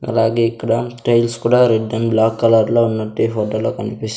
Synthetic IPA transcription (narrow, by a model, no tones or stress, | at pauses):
a̰laːɡiːkːɐɽaʈejlskuɽaɾed̪ːɐnblaːkːɐlaɾlounːɐʈːifoʈolokɐnipis